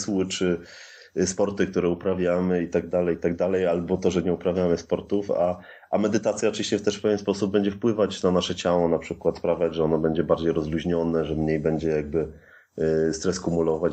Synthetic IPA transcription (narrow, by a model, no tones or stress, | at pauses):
swɘt͡ʂɘ | spɔɾt̪ɘk̚t̪uɾɛupɾavʲjamɘit̪aɡ̚d̪alɛjt̪aɡ̚d̪alɛjalbɔt̪ɔʐɛɲɛupɾavʲjamɘspɔɾt̪ufa̰ | ʔamɛd̪ɘt̪at̪sʲjaɔt͡ʂɨvʲiɕt͡ɕɛft̪ɛʂpɛvʲjɛnspɔsub̚bɛɲd͡ʑɛfpwɘvat͡ɕnanaʂɛt͡ɕawɔnapʂɘkwat̪spɾavʲjad͡ʑʐɛɔnɔbɛɲd͡ʑɛbaɾd͡ʑejɾɔzluʑɲɔnɛʐɛmɲejbɛɲd͡ʑɛjaɡ̚bɘ | st̪ɾɛskumulɔvat͡ɕ